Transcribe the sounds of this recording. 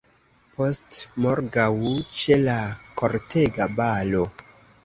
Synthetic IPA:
po̞stmoɾɡawut͡ʃelakʰo̞ɾtʰe̞ɡabalo̞

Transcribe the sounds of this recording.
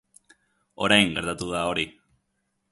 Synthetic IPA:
o̞ɾajŋɡe̞ɾt̪at̪uðao̞ɾi

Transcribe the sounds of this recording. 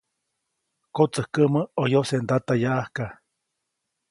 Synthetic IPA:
kot͡səhkəməojosend̪at̪ajaʔahka

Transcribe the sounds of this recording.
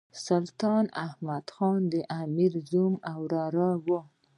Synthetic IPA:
sʊlt̪ɑnahmad̪xɑnd̪əʔamiɾzumawɾɑɾɑwo

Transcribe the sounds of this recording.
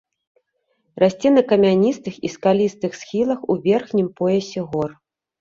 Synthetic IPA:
rasʲt͡sʲɛnɐkɐmʲanʲist̪ɨxḭskalʲist̪ɨxsxʲilˠɐxuvʲɛrxnʲimpɔjɛsʲɛɣɔr

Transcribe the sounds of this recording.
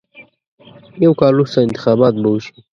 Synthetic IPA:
jawkɑlːust̪aɪ̃nt̪ɪ̥xɑːbɑt̪̚bauʃi̥

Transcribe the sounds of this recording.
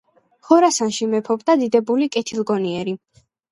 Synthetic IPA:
χɔɾasanʃimɛpʰɔbd̪ad̪id̪ɛbulikʼɛt̪ʰilˠɡɔniɛɾi

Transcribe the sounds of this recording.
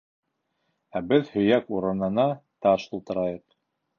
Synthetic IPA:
æbɘðhɵ̆jækuɾɤ̆nɤ̆nɑt̪ɑʃulˠt̪ɤ̆ɾɑjɤq

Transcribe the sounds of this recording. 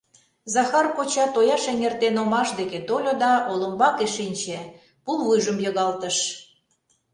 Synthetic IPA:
zɑxɑrkot͡ɕɑt̪ojɑʃeŋʲert̪enomɑʃd̪eket̪olʲod̪ɑolə̆mbɑkeʃinʲt͡ɕe | pulˠβujʒəmjoɣɑlt̪əʃ

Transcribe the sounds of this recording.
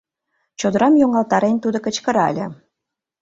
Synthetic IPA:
t͡ɕod̪ə̆ɾɑmjoŋɑlt̪ɑɾenʲt̪ud̪okə̆t͡ɕkə̆ɾɑ̰lʲə̆

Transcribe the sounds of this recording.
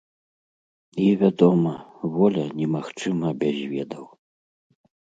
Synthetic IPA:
ivʲad̪ɔmɐvɔlʲɐnʲɛmaxt͡ʂɨmɐbʲazʲvʲɛd̪ɐw

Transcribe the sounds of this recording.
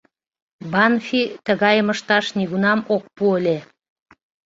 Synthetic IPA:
bɑnfit̪əɣɑjməʃt̪ɑʃniɣunɑmok̚puəlʲe

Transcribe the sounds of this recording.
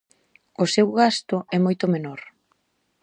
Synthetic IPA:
ʊsewɣast̪ʊʔɛmojt̪ʊmenoɾ

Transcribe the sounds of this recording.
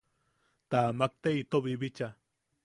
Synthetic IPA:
t̪amak̚t̪eit̪oβibit͡ʃa

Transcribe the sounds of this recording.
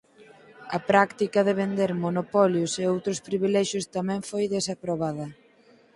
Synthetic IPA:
ɐpɾakt̪ikɐðeβend̪eɾmonopɔljoseowt̪ɾʊspɾiβilɛʃjʊst̪amɛ̃ŋfojðesapɾoβ̞aðɐ

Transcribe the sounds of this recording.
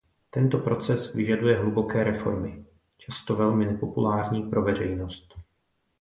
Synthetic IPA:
t̪ɛnt̪o̞pɾo̞t͡sɛsvɪʒadujɛɦlubo̞kɛːɾɛfo̞̰ɾmɪ | t͡ʃast̪o̞vɛlmɪnɛpo̞pulaːɾɲiːpɾʔo̞vɛr̝ɛjnost̪

